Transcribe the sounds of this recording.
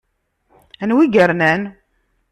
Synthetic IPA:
ænwiɡəɾnæn

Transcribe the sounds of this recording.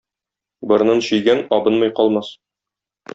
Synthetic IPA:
bɤ̆ɾnɤnɕɵ̆jɡænɒbɤnmɤjqɒlˠmɑs

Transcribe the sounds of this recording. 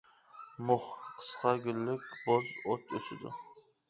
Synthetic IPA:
mʊχqʰɨ̥sqʰɑɡʲɪlːɪkʲbozot̪ʰosɪd̪ʊ̰

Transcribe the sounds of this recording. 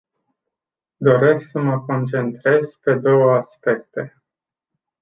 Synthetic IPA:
d̪o̞ɾe̞sksəməko̞nt͡ʃe̞nt̪ɾe̞z̥pe̞d̪o̞wəaspe̞k̚t̪e̞

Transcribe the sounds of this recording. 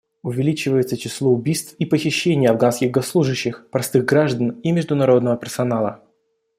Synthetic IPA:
ʊvʲɪlʲit͡ɕɪvəjɪt̪sət͡ɕɪslˠoʊbʲijst̪fipəxʲɪɕːenʲɪjəɐvɡanskʲɪɣɡosːlˠuʐɨɕːɪxpɾɐst̪ɨɣɡɾaʐd̪ənimʲɪʐd̪ʊnɐɾo̞d̪nəvəpʲɪrsɐnalˠə̰

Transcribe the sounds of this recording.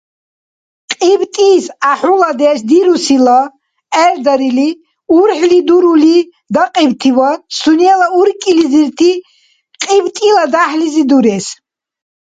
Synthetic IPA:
qʼibt̪ʼiːsaħulad̪ɛsd̪iɾusila | ɛɾd̪aɾili | uɾħlid̪uɾuli | d̪aqʼibt̪ʰivasunialauɾkʼiliziɾt̪ʰi | qʼibt̪ʼilad̪aħlizid̪uɾɛs

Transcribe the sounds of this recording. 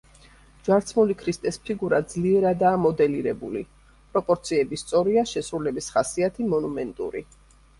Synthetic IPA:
d͡ʒwaɾt̪sʰmulikʰɾist̪ʼɛspʰiɡuɾad̪zliɛɾad̪aːmɔd̪ɛliɾɛbṵlḭ | pʼɾɔpʼɔɾt̪sʰiɛbist̪sʼɔɾiaʃɛsɾulɛbisχasiat̪ʰimɔnumɛnt̪ʼṵɾḭ

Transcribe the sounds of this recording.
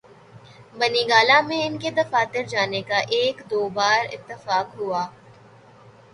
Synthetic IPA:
bɐniɡaːlamẽɪnked̪ɐfaːt̪ɪɾd͡ʒaːnekaʔeːkd̪oːbaːɾɪ̰t̪ːəfaːkɦuaː

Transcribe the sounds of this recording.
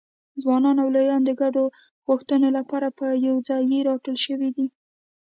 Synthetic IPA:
d͡zwɑnɑnawlajɑnd̪əɡaɖo | ɣuxt̪ənolapɑɾapəjawd͡zɑjeɾɑʈəlʃəwid̪i

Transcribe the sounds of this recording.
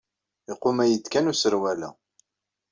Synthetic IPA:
iqːʊmæjət̪ːkænusəɾwælæ̰

